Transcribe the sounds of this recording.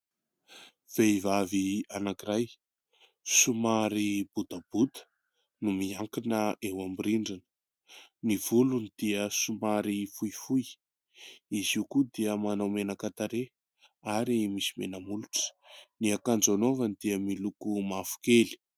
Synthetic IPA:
v̥eivavianakiraj | sumaɾib̥ud̪abut̪ə̥ | numiaŋkinəʔewambiɾiɳɖ͡ʐanə̥ | niv̥ulunid̪̥iəsumaɾifujfuj | iziukud̪iəmanawmenəkat̪aɾe | aɾimisi̥menəmuluʈ͡ʂə̥ | niakand͡zanovanid̪iəmilukumafu̥keli̥

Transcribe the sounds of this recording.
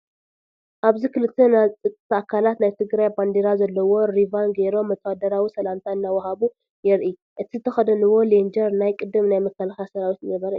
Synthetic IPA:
ʔaβzikʰɨlɨt̪ʰːenat̪ʼɨkʼɨt̪ʰːɐʔakʰalat̪najt̪ʰɨɡɾajband̪eɾazɐlːɐwo̞ɾivanɡeɾo̞mɐt̪ʼːad̪ɐɾawisɐlamt̪ʰaɨnːawɐɦaβu | jɛɾʔi | ʔɨt̪ʰizɨt̪ʰɐxɐd̪ɐnɨwo̞lend͡ʒɐɾnajkʼɨd̪ːɨmnajmɐkʰːɐlaxasɐɾawit̪nɐβɐɾɐ

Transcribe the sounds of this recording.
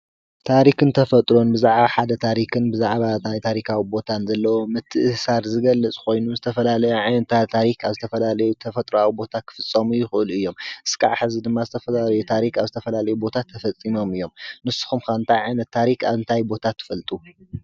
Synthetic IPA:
t̪ʰaɾikʰɨnt̪ʰɐfɐt̪ʼɾo̞nbɨzaʕbaħad̪ɐt̪ʰaɾikʰɨnbɨzaʕβanajt̪ʰaɾikʰawibo̞t̪ʰanzɐlːɐwo̞mɨt̪ʰːɨɨsaɾzɨɡɐlːɐt͡sʼkʰo̞jnuzɨt̪ʰɐfɐlalɐjuʕajnɐt̪ʰat̪ʰaɾikʰaβzɨt̪ʰɐfɐlalɐjut̪ʰɐfɐt̪ʼɾawibo̞t̪ʰakʰɨ̥fɨt͡sʼːɐmujɪxɨʔɨluɨjːo̞mʔɨ̥skʰʼa̰ʕħɨzid̪ɨmːazɨt̪ʰɐfɐlalɐjut̪ʰaɾikaβzɨt̪ʰɐfɐlalɐjubo̞t̪ʰat̪ʰːɐfɐt͡sʼːimo̞mɨjːo̞mnɨsu̥xumkʰaβɨnt̪ʰajʕajnɐt̪ʰːaɾika̰βɨnt̪ʰajbo̞t̪ʰat̪ʰːɨ̥fɐlt̪ʼu

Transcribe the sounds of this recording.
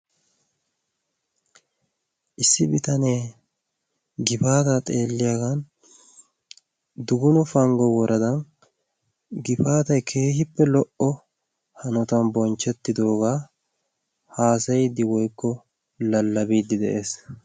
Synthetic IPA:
ʔɪsːɪbɪt̪ɐneː | ɡɪfaːt̪ɐt̪ʼe̞ːlːɪjaɡɐn | d̪ʊɡʊnʊfɐŋɡɔwɔɾʔɐd̪ɐn | ɡɪfaːt̪ɐjkʰe̞ːhɪpːɛlɔʔɔ | hɐnɔt̪ɐnbɔnt͡ʃːɛt̪ːɪd̪o̞ːɡaː | haːsɐjɪd̪ːɪwɔjkːɔ | lɐlːɐbiːd̪ːɪd̪ɛʔe̞ːs

